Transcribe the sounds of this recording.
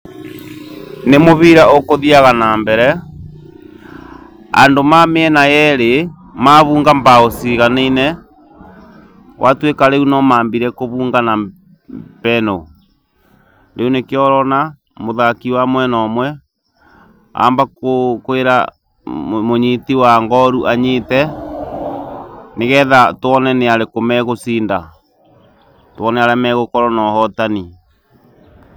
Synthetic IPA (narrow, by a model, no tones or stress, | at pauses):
nemoβiɾaokoðiaɣanaːmbɛɾɛ | a̰ndomameɛnajɛɾe | maβuːŋɡambaosiɣaneinɛ | wʔatwekaɾeunɔmaːmbiɾɛkoβuːŋɡana | pɛno | ɾeunekjɔɾɔna | moðakiwamwɛnɔmwɛ | a̰ːmbakokoeɾa̰ | moɲitiwaŋɡɔɾuʔaɲetɛ | neɣɛðatoɔnɛneaɾekomɛɣosinda | twɔnɛaɾɛmɛɣokɔɾɔnɔhɔtani